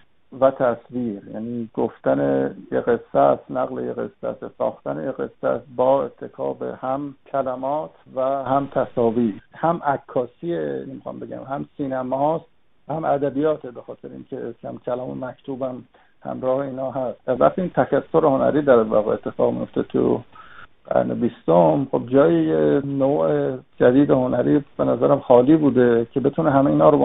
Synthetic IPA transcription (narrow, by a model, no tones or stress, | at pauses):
væt̪ʰæsviːɾjæ̰niːɡoft̪ænejeɣe̞sːæsnæɣlejeɣe̞̰sːæ̰ssɒ̰ːxt̪ænejeɣe̞̰sːæ̰sbɒːet̪ʰːe̞kʰɒ̰ːbḛhæmkʰælæmɒːt̪ʰvæhæmt̪ʰæsɒːviːɾhæmʔækʰːɒːsienemixɑ̰mbeɟæ̰mhæmsiːnæmɒːst̪ | væhæmʔæd̪æbijɒːt̪ʰebexɒːt̪ʰe̞ɾeḭːnkʰecʲʰæ̰mkʰælɒːmḛmækt̪ʰuːbæm | hæ̰mɾɒːheiːnɒːɦæst̪ɾæ̰ft̪iint̪ʰækʰæsːoɾeho̞næ̰ɾiːd̪æɾvæ̰ɣeet̪ʰːe̞fɒ̰ːɣmḭjo̞ft̪et̪ʰṵ | ɡæ̰ɾnḛbist̪omχob̚d͡ʒɒːjijenoːʔed͡ʒæd̪iːd̪ehonæɾiːbenæzæɾæmxɒːliːbuːd̪e̞cʰe̞be̞t̪ʰuneɦæmeiːnɒːɾob